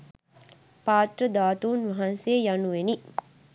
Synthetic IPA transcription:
paːt̪rəd̪aːt̪uːnʋɐɦanseːjanuʋeni

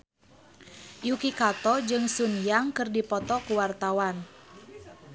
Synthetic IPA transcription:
jukikat̪ɔd͡ʒɨŋsunjaŋkɨrdipɔt̪ɔkuwart̪awan

